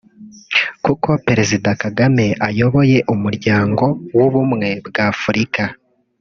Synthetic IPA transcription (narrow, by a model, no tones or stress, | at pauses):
kuko̞pe̞ɾe̞zidakaɡame̞ʔajo̞βo̞je̞ʔumuɾɟaːŋɡo̞wuβumŋe̞bɡaːfuɾika